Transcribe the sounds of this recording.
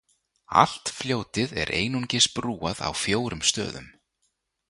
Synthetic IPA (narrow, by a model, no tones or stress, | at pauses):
a̰l̥t̪fljoːwt̪ɪðɛ̰ɾʔeːjnuncɪspɾuːaða̰wfjoːwɾʏmst̪œːðʏm